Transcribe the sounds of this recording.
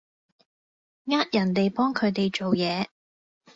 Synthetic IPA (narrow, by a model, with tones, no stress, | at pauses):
ŋaː˥t̚jɐ˨˩nt̪e˨jpɔː˥ŋkʰɵ˨˧ɥt̪e˨jt͡ʃo˨wjɛː˨˧